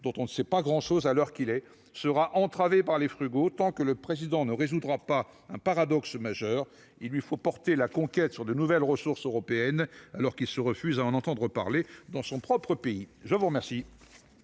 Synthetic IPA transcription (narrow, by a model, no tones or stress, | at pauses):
d̪ɔ̃t̪ɔ̃nəsɛpaɡʁɑ̃ʃozalœʁkilɛ | səʁaʔɑ̃t̪χavepaʁlefχyɡot̪ɑ̃kələpχezid̪ɑ̃nəʁezud̪ʁapa | ɛ̃paʁad̪ɔksmaʒœːʁ | ilːɥifopɔʁt̪elakɔ̃kʲɛt̪syʁd̪ənuvɛlʁəsuʁsøʁɔpeɛnalɔʁkilsəʁəfyzaɑ̃nɑ̃t̪ɑ̃d̪ʁəpaʁled̪ɑ̃sɔ̃pχɔpχəpeiʒəvuʁmɛʁsi